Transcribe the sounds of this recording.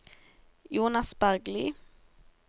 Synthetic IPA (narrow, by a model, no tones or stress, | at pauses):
juːnasbæɾɡli